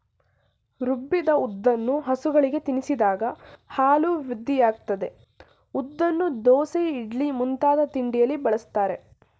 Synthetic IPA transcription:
ɾubːid̪ɐud̪ːɐnːuɦɐsuɡɐɭiɡe̞t̪inisid̪aːɡɐhaːluʋiɾud̪ːijaːɡ̚t̪ɐd̪e̞ | ud̪ːɐnːud̪ɔːseiɖɭimunt̪aːd̪ɐt̪iɳɖijɐlːibɐɭɐst̪aːɾe̞

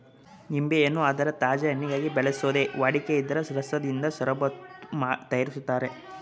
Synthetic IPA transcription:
nimbejɐnːuɐd̪ɐɾɐt̪aːd͡ʒɐɐɳːiɡaːɡibɛɭesoːd̪eʋaːɽikeid̪ːɐɾɐsɾɐsɐd̪ind̪ɐsɐɾɐbɐmaːt̪ɐjɐɾisut̪ːaːɾe

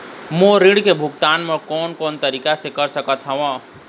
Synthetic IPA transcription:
moɾiɽkebʱukt̪aːnmekɔːnkoːnt̪əɾiːkasekəɾsəkət̪ɦəʋã

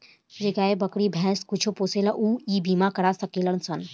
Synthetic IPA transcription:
d͡ʒekaːebəkɽibʱɛ̃ːskut͡ʃʰopoːselaʔuːiːbiːmakɐɾasəkelənsən

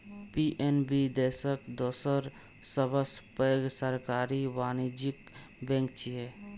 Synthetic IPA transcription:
piːʔenbid̪eːsəkd̪oːsəɾ | səbəspəɡsəɾkaːɾiʋaːnid͡ʒɪk | bɛ̃ːŋk̚t͡ʃiɦɛ

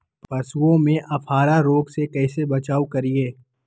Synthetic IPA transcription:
pɐsuõmẽʔɐfʰaːɾaɾoːɡsekɛːsebɐt͡ʃaːukɐɾieː

